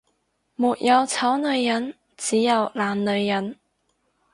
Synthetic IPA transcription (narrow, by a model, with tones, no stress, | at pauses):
muː˨t̚jʔɐ˨˧wt͡sʰɐ˨˥wnɵ˨˧ɥjɐ˨˥n | t͡siː˨˥jɐ˨˧wlaː˨nnɵ˨˧ɥːɐ˨˥n